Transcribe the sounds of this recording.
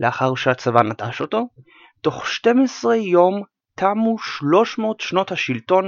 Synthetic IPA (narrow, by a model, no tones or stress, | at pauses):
leaχaʁʃeat͡savanataʃo̞to̞ | to̞χʃte̞mesʁejo̞m | tʰamuʃlo̞ʃmo̞ːtʃno̞thaʃilto̞n